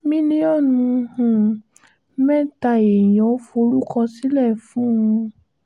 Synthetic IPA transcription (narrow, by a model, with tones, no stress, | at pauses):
mĩ˦nĩ˧˦ɔ˦˨nũ˧hũ˨˦ | mɛ˦ta˧e˨jɔ̃˨˦fo˧ɾu˦kɔ̃˧si˦lɛ˦˨fũ˨˦ũ˧